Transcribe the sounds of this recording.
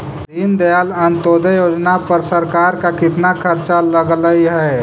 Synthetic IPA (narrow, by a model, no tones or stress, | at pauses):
d̪iːnd̪əjalənt̪od̪əjoːd͡ʒnapəɾsəɾkaɾkakɪt̪nakʰəɾt͡ʃaləɡləiɦɛ